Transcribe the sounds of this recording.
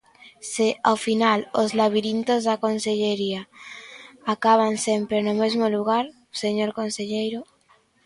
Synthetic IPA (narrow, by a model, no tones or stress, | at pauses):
seawfinalozlaβ̞iɾint̪ozðakonseʎeɾia | akaβ̞ansempɾenomezmoluɣ̞aɾ | seɲoɾkonseʎejɾo